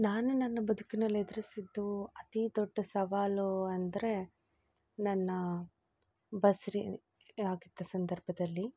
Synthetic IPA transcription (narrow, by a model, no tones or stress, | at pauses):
naːnunɐnːɐbɐd̪ʱukinɐlːed̪ɐɾisid̪ːuɐt̪id̪ɔɖːɐsɐʋaːluɐnd̪ɐɾe̞ | nɐnːɐ | bɐsɾi | aːɡid̪ːɐsɐnd̪ɐɾbʱɐd̪ɐlːi